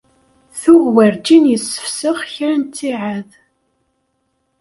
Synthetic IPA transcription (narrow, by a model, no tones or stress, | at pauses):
θʊɣwæɾd͡ʒinjəsːə̥fsəʁçɾænt̪ːiʕað